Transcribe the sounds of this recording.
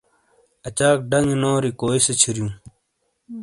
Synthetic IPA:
ɐt͡ɕaːk̚ɖɐŋnoːɾikoːiset͡ɕʰiɾjũː

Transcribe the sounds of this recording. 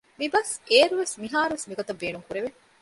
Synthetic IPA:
mibɐseːɾuʋesmiɦaːɾuʋesmiɡot̪ɐbːeːnuŋkuɾeʋe

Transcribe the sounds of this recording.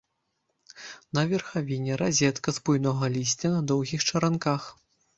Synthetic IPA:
nɐvʲɛrxavʲinʲɛɾazʲɛt̪kɐzbujnɔɣɐlʲisʲt͡sʲɐnɐd̪ɔwɣʲixt͡ʂɐɾankax

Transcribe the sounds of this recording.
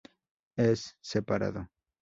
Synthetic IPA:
esːepaɾa̰ðo

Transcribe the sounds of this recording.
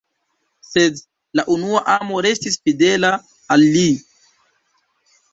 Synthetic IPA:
sed | laʔunuaʔamo̞ɾe̞stisfide̞laː | lːi

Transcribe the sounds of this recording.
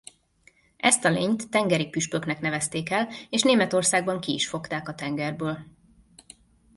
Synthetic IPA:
ʔɛst̪ɒleːɲt̪ːɛŋɡɛɾik̚pyʃpø̞knɛkn̪ɛvɛst̪eːkɛleːʃneːmɛt̪o̞rsaːɡbɒŋkiḭʃfo̞kt̪aːkɒt̪ɛŋɡɛrbøːl

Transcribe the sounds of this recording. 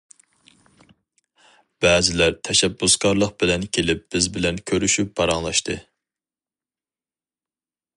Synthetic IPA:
b̥ɛːzɪlæɾt̪ʰɛʃɛbːusɡɑɾlˠəq̚bɪlɛnkʲʰelɪp̚b̥ɪzbɪlɛnkʲʰøɾyʃyp̚bɑɾɑŋlˠɑʃt̪ʰɨ

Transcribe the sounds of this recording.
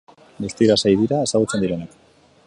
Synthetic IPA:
best̪iɾasajðiɾaesaɣut͡se̞nd̪iɾe̞nak

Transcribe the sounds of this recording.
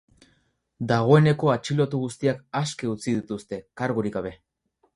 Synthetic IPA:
d̪aɣ̞o̞e̞ne̞ko̞at͡ʃilo̞t̪uɣ̞ust̪iakaskeut͡siðit̪ust̪e̞kaɾɣuɾiɣaβ̞e̞

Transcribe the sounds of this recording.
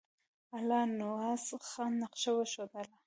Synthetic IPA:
alɑnʊɑsxɑnːaqʃawaʃod̪əla

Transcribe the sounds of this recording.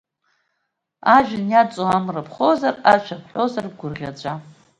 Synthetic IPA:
aʒᶣɪnjat͡sʼoamrɨpʰχozaraʃʷʰapʰħʷozarɡʷʊrʁʲat͡ɕʷʼa

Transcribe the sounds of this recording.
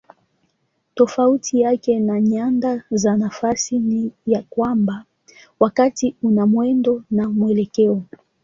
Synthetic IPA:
tɔfautʰijakɛnaɲandazanafasinijakwamba | wakatiunamwɛndɔnamuɛlɛkɛɔ

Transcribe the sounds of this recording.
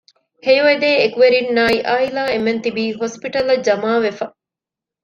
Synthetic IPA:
hejʋed̪eːekuʋeɾinːaːiʔaːilaːement̪ibiːɦospiʈɐlɐd͡ʒɐmaːʋefɐ

